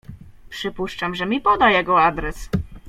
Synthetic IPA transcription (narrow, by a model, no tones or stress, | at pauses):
pʂɘpuʂt͡ʂamʐɛmʲipɔd̪ajɛɡɔad̪ɾɛs